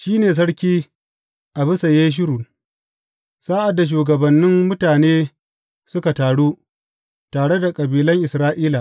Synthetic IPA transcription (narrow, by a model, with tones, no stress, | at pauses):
ʃiː˦neː˨s̬ɐ˦ɽkʲiː˦ | ʔa˨bɪ˦sa˨jeː˦ʃ̬ɪ˦ɾu˨ | saː˦ʔa˨dːa˨ʃ̬uː˨ɡɐ˨bɐ˨nːɪ˦mːʊ˦taː˨neː˦ | sʊ˦ka˨taː˨ɽuː˦ | taː˨ɽe˦da˨kʼɐ˨biː˨lɐ˦ŋʔɪ˨sɾaː˦ʔiː˦la˨ʔ